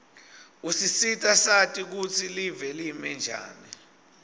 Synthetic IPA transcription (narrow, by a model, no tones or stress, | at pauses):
usisitʼasatʼik̬ut͡sʰilivɛlimɛnd͡ʒʱa̰ːni